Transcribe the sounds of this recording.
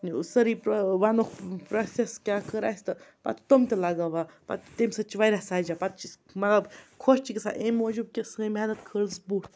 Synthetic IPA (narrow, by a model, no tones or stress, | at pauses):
nsəɾipoʋanukʰpɾoseskʲakəɾa̰ːsʲt̪ɨpɐ̰t̪t̪omt̪elaɡaʋapɐ̰t̪t̪emʲsɐt͡ʃiʋajɾasaːd͡ʒapɐt̪̚t͡ʃi | mɐt̪lɐbkʰoʃt͡ʃikʲesa̰ːʔemod͡ʒuːb̚kʲesɨemɛnɐt̪kʰəɽsbuʈ